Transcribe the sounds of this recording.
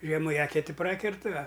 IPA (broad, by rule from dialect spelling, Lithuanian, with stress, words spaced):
ˈʒʲiɛmʊ ɪ ˈæːkʲɛtʲɪ ˈprɑːkʲɛrtɨ ɐ